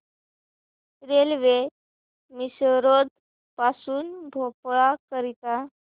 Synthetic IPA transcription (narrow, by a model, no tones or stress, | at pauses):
ɾelʋe | misɾod̪ | pasuːnbʱopɭakəɾit̪a